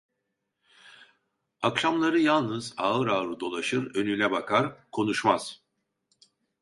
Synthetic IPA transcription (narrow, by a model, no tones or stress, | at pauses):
akʃamlˠaɾɯjalˠnɯzaːɯɾaːɾɯd̪o̞lˠaʃɯɾø̞nylʲɛbakʰaɾkʰo̞nuʃmaz̥